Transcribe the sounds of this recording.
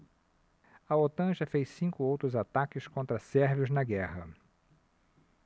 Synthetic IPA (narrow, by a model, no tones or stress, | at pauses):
ɐot̪ɐ̃ʒɐfejssĩŋkʊowt̪ɾʊzat̪akɪskõnt̪ɾɐsɛɾviʊznɐɡɛhɐ